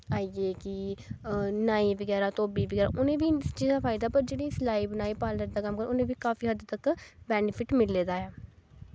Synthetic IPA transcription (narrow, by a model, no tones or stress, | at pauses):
aːieːkɪ | naːiːbəɡɛːɾaːt̪oːbiːbəɡɛːɾa̰ːʔʊnẽːʋiːt͡ʃiːzaːpʰaːɪd̪aːpəɾd͡ʒeːɽiːslaːiːbənaːiːpaːlnəɾd̪aːkəmːkəɾʊnẽːʋiːkaːfiːɦəd̪t̪əkbɛːnɪpʰɪʈmɪlːeːd̪aːɛː